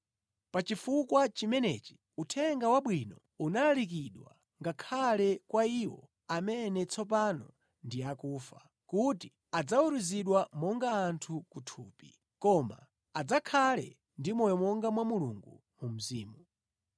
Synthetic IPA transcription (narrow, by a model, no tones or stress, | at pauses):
pat͡ʃifukwat͡ʃimɛnɛt͡ʃi̥ | utʰɛŋɡawaɓwinɔ | unalalik̬iɗwa̰ | ŋɡakʰalɛkwaiwɔ̰ | amɛnɛt͡sʰɔp̬anɔ | ndiakuːfa | kuti | ad͡zauɾuziɗwamɔŋɡaːntʰukutʰuːpi | kɔma̰ː | d͡zakʰalɛ̰ | ndimɔjɔmɔŋɡamwamulṵŋɡṵ | mum̩ziːmu